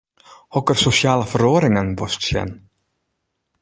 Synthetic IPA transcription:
ɔkəɾsʊsjɑːlafœɾoːɾɪŋənbɔst̪sɛ̰n

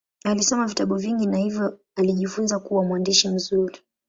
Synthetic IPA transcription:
alisɔmavitaɓuviŋɡinahivjɔ | aliʄifunzakuwamwandiʃim̩zuɾi

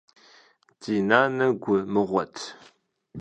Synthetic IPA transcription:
tʰiːnaːnɐɡʷʊmɨʁʷɔtʰ

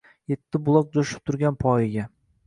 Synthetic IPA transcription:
jet̪ʰːɪbʊlˠɒk̚d͡ʒ̪oʃɪ̥p̚t̪ʰʊɾɡʲanpʰɒjɪɡʲa

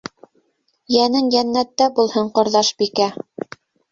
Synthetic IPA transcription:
jænɘŋjænːæt̪ːæbulˠhɤɴqŏɾðɑʃbikæ

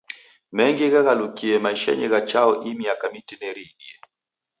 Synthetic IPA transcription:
mɛŋɡiɣaɣalukiɛmaiʃa̰ɲɛɣat͡ʃaɔʔimiakamitinɛɾiɡiɛ

